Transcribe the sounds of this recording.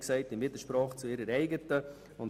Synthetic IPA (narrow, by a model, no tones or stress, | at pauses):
ksɛɪtɪnvɪdəɾʃpɾɑːχt͡suɪɾəɾɛɪɡətə | ʊn